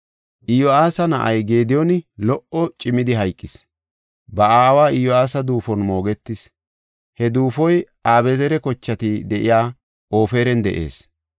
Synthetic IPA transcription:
ʔɪjɔaːsɐnɐʔɐjɡe̞ːd̪ɪjɔnɪlɔʔɔt͡ʃʼɪmːɪd̪ɪɦɐjkʼːɪs | bɐaːwaːɪjɔaːsɐd̪uːfɔnmo̞ːɡɛt̪ːɪs | hɛd̪uːfɔjʔaːbɛzɛɾɛkɔt͡ʃːɐt̪ɪd̪ɛʔɪjaː | ʔo̞ːfe̞ːɾɛnd̪ɛʔḛːs

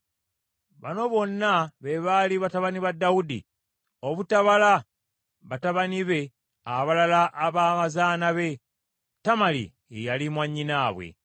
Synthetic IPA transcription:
βa̰no̞βo̞nːaβe̞βaliβataβaniβadːawudḭ | o̞βutaβala | βataβaniβe̞ | aβalalaʔːβaːmazaːnaβe̞ | tamalḭ | ejalimwaɲːinaːβwḛ

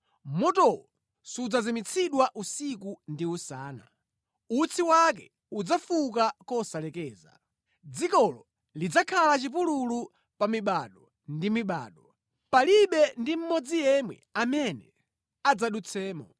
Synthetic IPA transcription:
mɔtɔwɔ | sud͡zazimit͡sʰiɗwaʔusikundiusaːna̰ | ut͡sʰiwak̬ɛ̰ | ud͡zafuk̬akɔsalɛkɛːza̰ | d͡zikɔlɔ | lid͡zakʰalat͡ʃip̬ululu | pamiɓaɗɔ | ndimiɓa̰ːɗɔ | paliɓɛndim̩mɔd͡zijɛmwɛ̰amɛnɛ | ad͡zaɗut͡sʰɛːmɔ

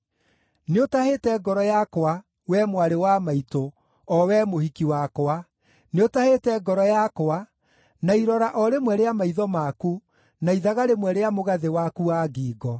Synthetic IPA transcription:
neotahetɛɡɔɾɔjakowa | wɛmwaɾewamaito | ɔwɛmohikiwakoa | neotahetɛɡɔɾɔjakoa | naiɾɔɾaʔɔɾemwɛɾeamaiðɔmaku | naiðaɣaɾemwɛɾeamoɣaðewakuaːɡiːɡɔ

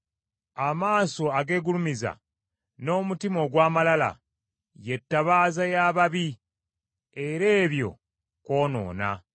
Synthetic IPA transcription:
amaːso̞aɡe̞ːɡulumiza̰ | no̞ːmutimo̞ɡwaːmalala̰ | je̞tːaβaːzajaːβaβi | e̞ɾe̞ːβjo̞̰ | ko̞ːno̞̰ːna̰

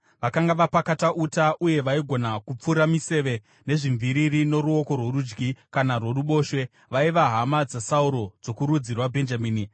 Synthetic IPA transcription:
ʋakaŋɡaʋapakataʔutaʔuje̞ʋaiɡʱo̞nakup͡fuɾamise̞ʋe̞ | ne̞ʐiɱviɾirino̞ɾuo̞ko̞rwo̞rud͡ʒɡikanarwo̞ruɓo̞ːʃwe̞ | ʋaiʋaɦamad͡zasauɾo̞d͡zo̞kuɾud͡zirwabʱe̞nd͡ʒamiːni

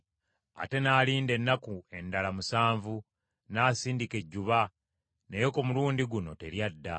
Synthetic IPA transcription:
a̰te̞naːliːnde̞nːakue̞ndalamusaːɱvu | naːsiːndike̞ɟːuβa | nejo̞komuluːndiɡuno̞̰te̞ɾjadːa

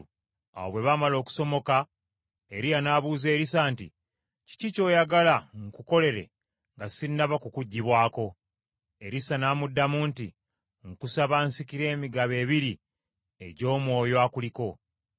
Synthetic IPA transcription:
a̰woβwe̞βamalo̞ːku̥so̞mo̞ka | e̞ɾijanaːβuːze̞ːɾisaːntḭ | ci̥cico̞ːjaɡalaŋkuko̞le̞ɾe̞̰ | ŋɡasinːaβakukuɟːiβwaːko̞ | e̞ɾisanaːmudːamuːntḭ | ŋkusaβansikiɾe̞ːmiɡaβe̞ːβiɾi | e̞̰ɟo̞ːmwo̞ːjoakuliko̞

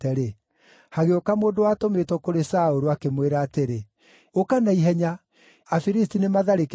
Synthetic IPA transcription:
tɛɾe | haɣeokamoːndowaːtometwɔkoɾesaoɾuakemweɾaːteɾe | okanaiɦɛɲa | afiɾistinemaðaɾek

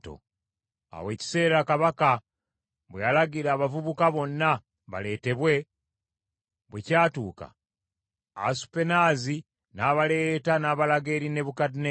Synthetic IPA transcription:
to̰ | a̰weːci̥se̞ːɾakaβaka | βwealaɡiɾaːβavuβukaβo̞nːa | βa̰le̞ːte̞βwe̞ | βwecaːtuːka̰ | a̰su̥pe̞naːzi | naːβale̞ːtanaːβalaɡe̞ɾine̞βukadine

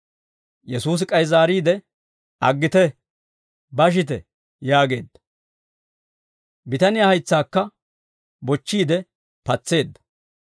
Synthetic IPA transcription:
jɛsuːs̬ɪkʼɐjzaːɾiːd̪ɛ | ɐɡːɪt̪ɛ | bɐʃ̬ɪt̪̬ɛ | jaːɡe̞ːd̪ːɐ | bɪt̪ɐnɪjahɐjt͡sːaːkːɐ | bɔt͡ʃːiːd̪ɛ | pɐt͡sːe̞ːd̪ːɐ̥

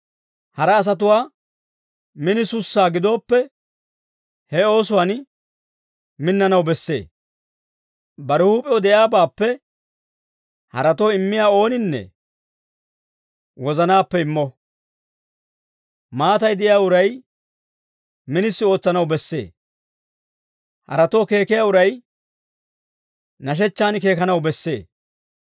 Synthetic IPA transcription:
hɐɾɐːs̬ɐt̪̬ʊwaː | mɪnɪsʊsːaːɡɪd̪o̞ːpːɛ | hɛo̞ːsʊwɐn | mɪnːɐnɐwbɛsːe̞̰ː | bɐɾɛhuːpʼɛɔd̪ɛjaːbaːpːɛ | hɐ̰ɾɐt̪ɔːɪmːɪjaːo̞ːnɪnːɛ̰ | wɔzɐnaːpːɛɪmːɔ | maːt̪ɐjd̪ɛɪjaːʊɾɐj | mɪnɪsːɪo̞ːt͡sːɐnɐwbɛsːe̞̰ː | hɐ̰ɾɐt̪o̞ːke̞ːkɪjaːʊɾɐj | nɐʃ̬ɛt͡ʃːaːnɪke̞ːkɐnɐwbɛsːe̞̰ː

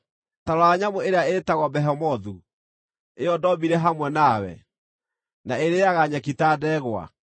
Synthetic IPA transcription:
taɾɔaɲamoeɾeaetaɣwɔbɛɦɛmɔðu | eɔdɔbiɾɛɦamwɛnawɛ̰ | naeɾejaɣaɲakitadɛːɣwa̰

